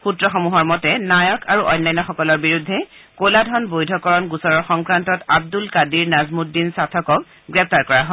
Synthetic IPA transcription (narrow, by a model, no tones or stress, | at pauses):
xutɹɔxɔmuɦɔɹmɔtɛnajɔkaɹuʔɔjnːajnɔxɔkɔlɔɹbiɹudʱːɛ | koladʱɔnbojdʱɔkɔɹɔnɡusɔɹɔɹxɔŋkɹantɔtab̚dulkadiɹnazmudːinsatʰɔkɔk̚ | ɡɹɛp̚taɹkɔɹaɦɔ